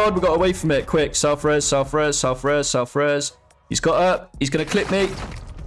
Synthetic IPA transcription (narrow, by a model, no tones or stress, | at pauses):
d̚wiɡɒtəweɪfɹə̃mɪʔ̚kʰw̥ɪksaʊfɹɛːz̥saʊfɹɛz̥saʊfɹɛːz̥saʊfɹɛːz̥ | hizɡɒtʌp̚hizɡʌñəkʰl̥ɪp̚miˑʔ